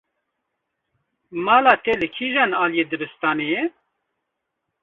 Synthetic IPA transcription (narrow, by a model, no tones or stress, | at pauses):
mɑːlaːt̪eːlɨkʰiːʒanaːlijeːd̪ɨbɨst̪aːneje